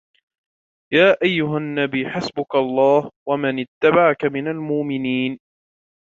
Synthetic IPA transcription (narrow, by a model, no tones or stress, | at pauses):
jaːʔajːʊɦanːabiːħasbʊkaɑlˤːɑːhwamanɪt̪ːabaʕakamɪnalmʊʔmɪniːn